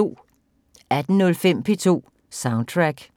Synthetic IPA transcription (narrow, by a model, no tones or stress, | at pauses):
o̝̰ː | æd̥n̩nɔ̽lfem̰pʰe̝t͡sʰo̝̰ː | sɑ̈ʊn̥̚t͡sʰʁaɡ̥